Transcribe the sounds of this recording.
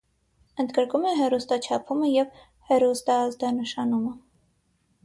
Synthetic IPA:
ənd̪ɡəɾkumɛɦɛrust̪ɑt͡ʃʰɑpʰuməjɛv | hɛɾust̪ɑːzd̪ɑnəʃɑnumə

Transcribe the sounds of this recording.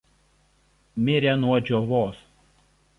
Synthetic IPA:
mʲɪɾʲɛnuɔd͡ʒʲɔʋoːs

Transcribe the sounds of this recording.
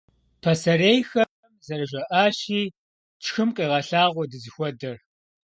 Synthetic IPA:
pʰɐsɐɾejxɐ | zɐrɨʒɐʔaːʃiː | t͡ʃʰxɨmqiːʁɐɬaːʁʷɔdɨzɨxʷɔdɐr

